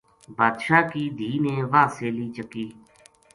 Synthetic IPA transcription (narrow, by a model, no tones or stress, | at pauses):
baːd̪ʃaːkiːd̪ʱiːnẽːʋãːseːliːt͡ʃəkiː